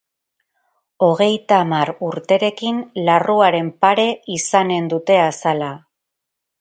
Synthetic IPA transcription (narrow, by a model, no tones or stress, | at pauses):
o̞ɣ̞e̞jt̪aːmaɾuɾt̪e̞ɾe̞kinlaruaɾe̞mpaɾe̞isane̞nd̪ut̪e̞asala